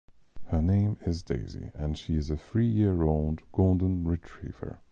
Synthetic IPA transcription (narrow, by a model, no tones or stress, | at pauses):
hə˞nẽɪ̃mɪzdḛɪzḭə̃nʃiɪzəθɹiːjɪəɹoʊlˠdɡ̥olˠdə̃nɹɪtʰɹ̥ḭːvə̰˞